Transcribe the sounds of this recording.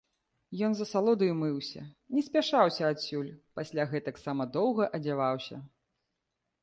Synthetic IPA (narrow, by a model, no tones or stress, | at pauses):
jɔnzɐsalˠɔd̪ɐjmɨwsʲɐ̰nʲɛsʲpʲaʂawsʲɐasʲulʲpasʲlʲaɣɛt̪ɐksamɐd̪ɔwɣɐʔɐd͡zʲavawsʲɐ̰